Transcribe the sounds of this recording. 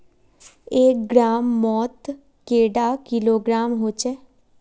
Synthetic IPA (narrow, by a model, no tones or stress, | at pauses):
eːk̚ɡɾaːmːɔːt̪ | keːɖaːkɪloːɡɾaːmɦoːt͡ʃɛː